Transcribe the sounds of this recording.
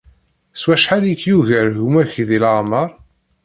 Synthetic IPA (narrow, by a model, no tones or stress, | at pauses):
swæʃħalikːjuʝəɾʝumæçðilaməɾˤ